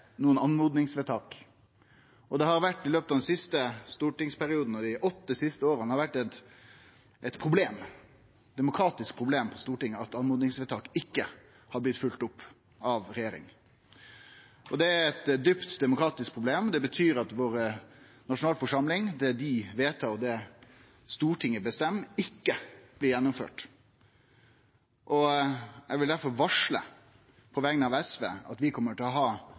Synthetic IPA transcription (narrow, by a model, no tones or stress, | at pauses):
nuːənɑnmuːd̪nɪŋsʋɛt̪ʰɑːk | ʔɔd̪ɛhɑɾʋæʈːɪløːpət̪ɑːd̪ɛnsɪst̪əst̪uːʈɪŋspʰæɾɪuːd̪n̩ɔd̪ɪʔɔt̪ːəsɪst̪əoːɾənhɑɾʋæʈːɛt̪ | ʔɛt̪pʰɾʊbleːm | d̪ɛmʊkʰɾɑːt̪ɪskpʰɾʊbleːmpʰɔst̪uːʈɪŋːəɑt̪ɑnmuːd̪nɪŋsʋɛt̪ʰɑːkɪkːə | hɑblɪt̪ːfʉlt̪ʊpː | ɑʋɾɛjeːɾɪ̰ŋ | ʔɔd̪ɛæɾɛt̪d̪ypt̪d̪ɛmʊkɾɑːt̪ɪsk̚pʰɾʊbleːmd̪ɛbət̪ʰyːɾɑt̪ʋoːɾənɑʂʊnɑːlfɔʂɑmlɪŋd̪ɛd̪ɪʋeːt̪ʰːɑɾɔd̪ɛ | st̪uːʈʰɪŋːəbəst̪ɛmːɪkːəb̥lɪɾjɛnːʊmfø̰ːʈ | ʔɔjɛɡʋɪld̪æɾfɔɾʋɑʂlə̰ | pʰɔʋɛŋənəɑʋɛsʋḛːɑ̰t̪ʋɪkʰɔmːəʈɪlɔɦɑː